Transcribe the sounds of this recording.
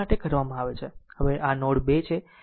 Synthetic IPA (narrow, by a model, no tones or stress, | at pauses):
aʈekəɾʋamãaʋet͡ʃʰehəʋeʔanɔɽbet͡ʃʰe